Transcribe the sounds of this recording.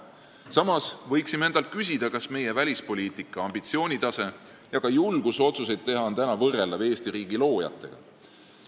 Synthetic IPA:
sɑmɑsvɤjksime̞nd̪̥ɑlt̪̚kys̬ʲid̪̥ɑkɑsme̞je̞vælʲispo̞lʲiːt̪ˑikːˑɑɑmb̥it̪sio̞ːnʲit̪ɑse̞ | jɑkɑjulɡ̥uso̞t̪suse̞jd̪̚t̪e̞ɦɑnt̪ænɑvɤre̞lːɑve̞ːst̪iɾiːɡ̥ilo̞ːjɑ̰t̪ːˑe̞̰ɡ̥ɑ̰

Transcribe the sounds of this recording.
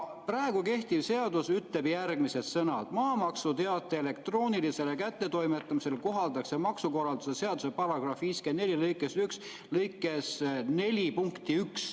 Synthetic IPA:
præeɡ̥uke̞ht̪iv̥se̞ɑd̪̥usyt̪ːe̞b̥jærɡ̥mise̞d̪̥sɤnɑd̪̥mɑːmɑksut̪e̞ɑt̪ːˑeele̞kt̪ro̞ːnilise̞lekæt̪ˑːe̞t̪o̞jme̞t̪ːˑɑmise̞lko̞ɦɑld̪ɑksemɑksuko̞rɑld̪usese̞ɑd̪̥use̞pɑɾɑɡ̥rɑfviːskeːne̞lʲilɤjkːˑesyks | lɤjkːˑe̞sne̞lʲipuŋkt̪iyks

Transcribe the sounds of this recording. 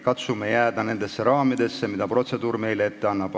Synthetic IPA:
kɑt̪sumejæːd̪̥ɑne̞nd̪̥e̞sːeɾɑːmid̪̥e̞sːemid̪ɑpro̞t̪se̞d̪uːɾme̞jleet̪ːeɑnːɑb̥

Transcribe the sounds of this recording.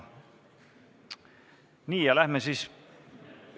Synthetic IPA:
niːjɑlæhmesis

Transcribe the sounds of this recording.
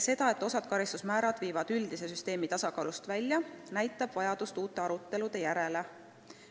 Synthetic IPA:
se̞d̪̥ɑe̞t̪ːˑo̞sɑd̪̥̚kɑɾist̪u̥smæːɾɑd̪̥viːvɑd̪̥yld̪̥ise̞syst̪e̞ːmit̪ɑsɑkɑ̰ːlust̪vælʲjɑnæjt̪ːˑɑb̥vɑjɑd̪̥ust̪uːt̪ːˑe̞ɑɾut̪ːe̞lud̪̥e̞jæɾe̞le

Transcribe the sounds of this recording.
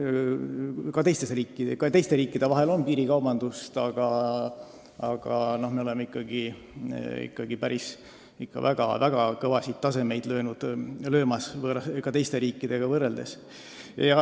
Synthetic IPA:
kɑt̪e̞jst̪e̞sriːkːˑi̥kɑt̪e̞jst̪e̞ɾiːkːˑid̪̥e̞vɑɦe̞lo̞npiːɾikɑwb̥ɑnd̪̥ust̪ɑɡ̥ɑ | ɑɡ̥ɑno̞hmeo̞le̞meikːɑɡ̥i | ḭkːɑɡ̥ipæɾis | ikːɑ̰væɡ̥ɑ̰væɡ̥ɑkɤvɑsit̪ːɑse̞me̞jd̪̥lø̞ːnud̪̥lø̞ːmɑsvɤrɑkɑt̪e̞jst̪e̞ɾiːkːˑid̪̥e̞ɡ̥ɑvɤrːeld̪̥e̞̰s | jɑ

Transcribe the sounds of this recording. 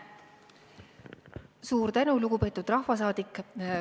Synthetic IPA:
suːɾt̪ænuluɡ̥upe̞ːt̪ːˑud̪̥rɑhvɑs̬ɑːd̪̥ikːˑ

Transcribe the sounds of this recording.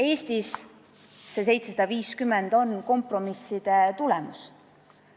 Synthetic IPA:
e̞ːst̪is | se̞s̬e̞jt̪sesɑd̪̥ɑviːskymːend̪̥o̞nko̞mpro̞misːid̪̥e̞t̪ulɛmus

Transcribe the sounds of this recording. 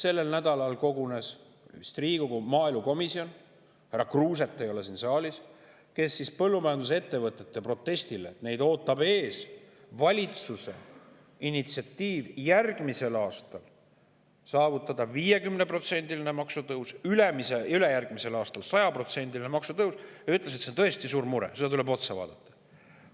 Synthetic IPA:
se̞lːe̞lnæd̪ɑlɑlko̞ɡune̞s | st̪riːɡ̥oɡumɑːilmuko̞misio̞n | hæɾrɑkruːs̬e̞t̪ːˑe̞jo̞lesinsɑːlʲis | ke̞sːispɤlːumɑjɑnd̪us̬eet̪ːe̞vɤt̪ːˑe̞t̪ːe̞pro̞t̪ːe̞st̪ilet̪ne̞jd̪o̞ːt̪ːˑɑbe̞ːs | vɑlʲit̪suse̞̰ | init̪siɑt̪ːiːvjærɡ̥mise̞lɑːst̪ɑl | sɑːvut̪ːˑɑd̪ɑviːje̞kymnepro̞t̪se̞nʲd̪ilinemɑksut̪ɤwsylemiseylejærɡ̥mise̞lɑːst̪ɑlsɑjɑpro̞t̪se̞nʲd̪̥ilinemɑksut̪ɤwsjɑyt̪les̬et̪sent̪ɤe̞st̪isuːɾmuɾḛse̞d̪ɑt̪ule̞bo̞t̪sɑvɑ̰ːd̪̥ɑt̪ːˑɑ̥

